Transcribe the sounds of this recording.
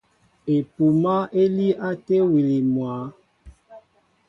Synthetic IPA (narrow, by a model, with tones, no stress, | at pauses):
e˨pu˨ma˦ʔe˦li˦ʔa˦te˦wi˨li˨mwa˨˦